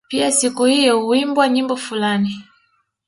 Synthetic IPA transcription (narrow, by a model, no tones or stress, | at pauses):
piasikuhijɔuimbwaɲimbɔfulani